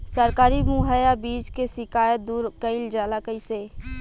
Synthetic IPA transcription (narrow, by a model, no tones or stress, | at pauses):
səɾkaːɾimuɦəjabiːd͡ʒkesɪkaːjət̪̚d̪uːɾkəɪld͡ʒaːlakəiseː